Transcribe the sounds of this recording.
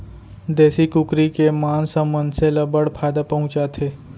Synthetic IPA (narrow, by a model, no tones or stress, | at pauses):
d̪ɛːsikʊkɾikemaːnsə̃mːə̃nd̪seləbəɽpʰaːjd̪apɐɦʊ̃t͡ʃat̪ʰeː